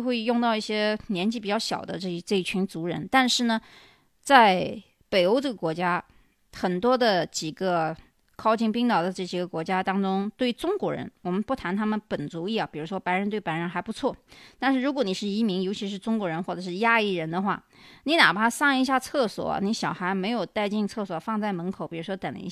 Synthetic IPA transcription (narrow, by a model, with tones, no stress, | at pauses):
xwe˥˧ɪjʊ˥˧ŋt̪ɑ˥˧ʊi˥˩ɕjɛ˥njɛ˧˥nt͡ɕi˥˩pi˨˩t͡ɕjɑ˥˩ʊɕjɑ̰˨˩ʊd̪ə̰˦ʈ͡ʂɤ˥˧˥ʈ͡ʂɤ˥˧i˥˩t͡ɕʰy˧˥nt͡su˧˥ɻə̰˧˥nt̪a˥˧nʂɻ̩˥˩nə˩ | t͡sa˥˩ɪ | pe˨˩ɪo˥ʊʈ͡ʂɤ˥˩ɡə˩kwɔ˧˥t͡ɕja˥ | xə˨˩nt̪wɔ˥d̪ə˨t͡ɕi˨˩ɡə˦ | kʰɑ˥ʊt͡ɕʰi˥˩ŋpi˥ŋt̪ɑ˨˩ʊd̪ə˦ʈ͡ʂɤ˥˩t͡ɕi˨˩ɡə˦kwɔ˧˥t͡ɕja˥t̪ɑ˥ŋʈ͡ʂʊ˥ŋt̪we˥˩ɪʈ͡ʂʊ˥ŋkwɔ˧˥ɻə̰˧˥nwɔ˨˩mə˦npu˥˩t̪ʰa˧˥nt̪ʰa˥mə˨npə˨˩nt͡su˧˥i˥˩ɐ˩pi˨˩ɻu˧˥ʂwɔ˥pa˧˥ɪɻə˧˥nt̪we˥˩ɪpa˧˥ɪɻə˧˥nxa˧˥pu˧˥t͡sʰwɔ˥˩t̪a˥˧nʂɻ̩˥˩ɻu˧˥kwɔ˧˥ni˨˩ʂɻ̩˥˩i˧˥mi˧˥ŋjo˧˥ʊt͡ɕʰi˧˥ʂ̬ɻ̩˥˩ʈ͡ʂʊ˥ŋkwɔ˧˥ɻə˧˥nxwɔ˥˩ʈ͡ʂɤ˨˩ʂɻ̩˥˩ja˥i˥˩ɻə˧˥nd̪ə˧xwa̰˥˩ | ni˧˥na̰˨˩bə˦t̪ʰa˥sɑ˥˩ŋi˧˥ɕja˥˧t͡sʰɤ˥˩swɔ̰˨˩ɐ̰˧˦ni˧˥ɕjɑ˨˩ʊxa˧˥ɪme˧˥ɪjo˨˩ʊt̪a˥˧ɪt͡ɕi˥˧ŋt͡sʰɤ˥˩swɔ˨˩fɑ˥˧ŋt͡sa˥˩ɪmə˧˥nkʰo˨˩ʊpi˨˩ɻu˧˥ʂwɔ˥t̪ə˨˩nl̰ḭ˧˩˥